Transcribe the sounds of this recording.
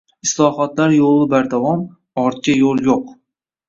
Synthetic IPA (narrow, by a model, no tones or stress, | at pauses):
ɪslˠɒhɒt̪laɾjolˠɪbaɾd̪avɒm | ɒɾt̪̚kʲajolˠjoq